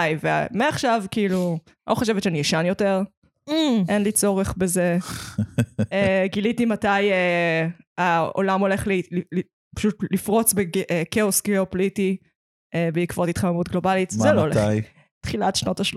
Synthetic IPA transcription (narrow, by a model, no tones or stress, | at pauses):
jvḛmeaχʃavkiilu | oχoʃevetʃeanijɛʃanjo̞teʁ | m̩ʔenlit͡so̞ʁeχbeze | eɡilitimataje | ao̰lamo̞le̞χlilil | pḁʃutlifʁo̞t͡sbeɡʔkeosɡeopliti | ebeikvotitχamamutɡlo̞balitzelooleaj | tχilatʃnotaʃ